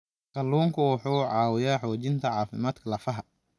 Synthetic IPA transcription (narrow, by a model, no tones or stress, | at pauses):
kɐlːuːŋkʰʊwʊħuːʕɑːwɪjaːħɔːt͡ʃɪnt̪ʰɐʕɑːfɪmaːd̪kʰɐlɐfɐɦɐ